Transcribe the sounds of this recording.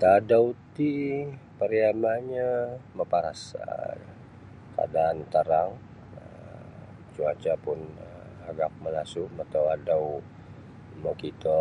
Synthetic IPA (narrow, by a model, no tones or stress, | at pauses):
t̪adawt̪ipəɾiamaɲaməpaɾasə̰ | ka̰daːnt̪əɾaŋ | ə | t͡ʃuat͡ʃapʊnə | aɡak̚məlasumat̪awadaw | məkit̪ɔ